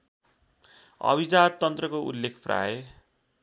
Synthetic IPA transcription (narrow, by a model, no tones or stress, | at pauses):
ʌ̰bid͡zad̪̚t̪ːʌnt̪rʌkoʔṵlːekʰpra̰je